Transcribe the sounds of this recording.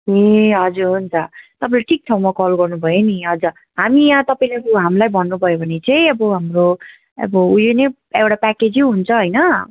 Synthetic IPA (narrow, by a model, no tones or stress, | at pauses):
eɦʌd͡zuɾɦunt͡sʰʌt̪ʌpaĩleʈʰik̚t͡sʰawmakʌlɡʌrnubʱʌjoniɦʌd͡zʌ | ɦamiʌt̪ʌpaĩlekuɦamlajbʱʌnːubʱʌjobʱʌnet͡saj̃ʌbʌɦamro | ʌ̰bʌujone | ewʈapaked͡ziɦunt͡sʰʌɦʌjnʌ